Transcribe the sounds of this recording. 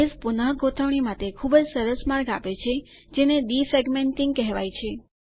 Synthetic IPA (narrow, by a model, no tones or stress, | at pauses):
espunaɦɡʱot̪ʰəʋɳ̃imat̪ekʰubəd͡ʒsəɾəsmaɾɡapet͡ʃʰed͡ʒeneɗifɛɡmeɳʈĩŋɡ̚kɛɦʋa̰jt͡ʃʰe